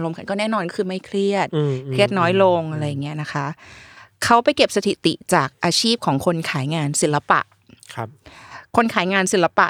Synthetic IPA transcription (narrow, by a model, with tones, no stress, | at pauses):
ɾo˧mkʰa˧nkɔː˥˩nɛː˥˩nɔː˧nkɔ˥kʰɯː˧ma˥˩jkʰli˥˩ət̪̚kʰɾi˥˩ət̪̚nɔː˦˥jlo˧ŋʔa˧ɾa˧jːa˨˩ŋːi˦˥ɐna˦˥kʰa˦˥ʔkʰa˦˥wpa˧jke˨˩p̚sa˧t̪ʰi˨˩t̪ḭ˨˩t͡ɕaː˨˩k̚ʔaː˧t͡ɕʰiː˥˩p̚kʰɔː˩˦ŋkʰo˧nkʰaː˩˦jŋaː˧nsi˨˩˦la˧pa̰˨˩ʔʰ | kʰo˧nkʰaː˩˦jŋaː˧nsi˨˩˦la˧pa̰˨ʔ